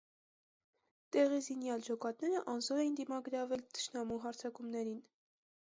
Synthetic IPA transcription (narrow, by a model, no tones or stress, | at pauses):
t̪ɛʁizinjɑld͡ʒɔkɑt̪nɛɾəʔɑnzɔɾɛjind̪imɑɡəɾɑvɛlt̪ʰə̥ʃnɑmuɦɑɾt͡sʰɑkumnɛɾin